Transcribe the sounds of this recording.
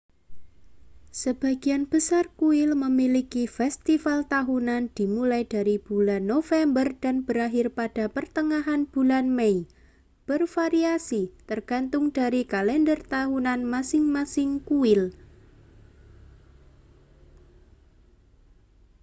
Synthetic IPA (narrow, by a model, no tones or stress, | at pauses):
səb̥a̤ɡianb̥əsarkuɪlməmilikifɛst̪ifalt̪aɦunand̪̥i̤mulajd̥aɾib̥ulanːofɛmbərd̥a̤nb̥əɾaɦɪrpad̥a̤pərt̪əŋaɦanb̥ulanmei | b̥ərfaɾiasit̪ərɡ̥ant̪ʊŋd̥aɾikalɛndərt̪aɦunanmasɪŋmasɪŋkuɪl